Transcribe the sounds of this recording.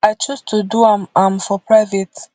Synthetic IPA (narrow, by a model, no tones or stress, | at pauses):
ajt͡ʃustʰuduamãmfɔpʰɹaɪvit